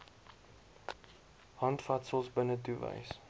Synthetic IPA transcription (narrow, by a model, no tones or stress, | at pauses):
hɐntfɐtsəlˠsbənətuvə̰js